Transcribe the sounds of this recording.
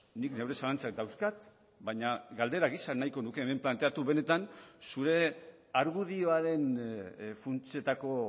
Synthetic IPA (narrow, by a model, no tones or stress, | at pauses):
nikne̞wɾe̞salant͡sak̚d̪awskat̪ | baɲaɡald̪e̞ɾaɣisanːajko̞nuke̞ːme̞mplant̪e̞at̪uβe̞ne̞t̪ansuɾe̞ | aɾɣuð̞io̞aɾe̞n | funt͡sie̞t̪ako̞